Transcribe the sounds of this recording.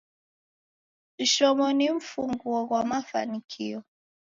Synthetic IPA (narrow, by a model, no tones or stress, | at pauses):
iʃɔmɔniɱ̩fuŋɡuɔɣwamafa̰nikʰiɔ